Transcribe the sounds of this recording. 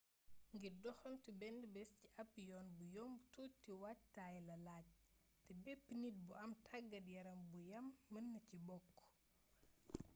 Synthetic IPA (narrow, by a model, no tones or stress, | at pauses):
ŋɡiɾdɔxɐmtibɛndbɛsciʔɐpːjɔːnbujɔmbtutiwactajlɐlaːɟ̚ | tɛbɛpːnit̚buɐmtʰaɡːɐdjɐɾɐmbujɐmːɐnːɐcibɔkː